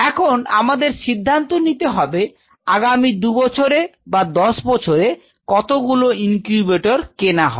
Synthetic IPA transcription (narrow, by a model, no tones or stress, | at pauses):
ɛkʰona̰mad̪eɾʃid̪ʱːant̪onit̪eɦɔbe | aɡamid̪ubɔt͡ɕʰoɾebad̪ɔʃbɔt͡ɕʰoɾe | kɔt̪oɡuloiŋkubeʈoɾkenaɦɔ̰